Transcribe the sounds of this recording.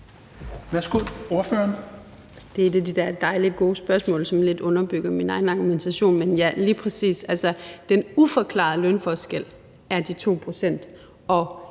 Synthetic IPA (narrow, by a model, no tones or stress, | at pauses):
ʋæɐsɡ̥oð̰ˠo̝ɐføɐn | d̥e̝ed̥ed̥id̥æɐd̥ɑ̈ɪliɡ̥o̝ːsb̥ɶɐsmɔ̰̽ːlsɒ̽mle̝d̥ɔ̽nɐb̥yɡ̥ɐminɑ̈ɪn̩ɑ̈ɡ̥ument͡sʰæɕo̝̰ːnmenjæliːpʰʁɛsḭːsælsɒ̽d̥enufɒ̽kʰlɑ̰̈ːð̩ˠlœnfɒsɡ̥el̰ | æɐd̥it͡sʰo̝̰ːpʰʁo̝sen̰d̥ | ɒ̽